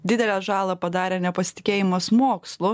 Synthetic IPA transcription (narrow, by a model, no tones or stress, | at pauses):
d̪ʲɪd̪ʲɛlʲæːʒɑːlˠɐːpɐd̪ɑːɾʲɛːnʲɛpɐsʲɪ̥t̪ʲɪ̥kʲeːjɪmɐsmoːkslˠʊ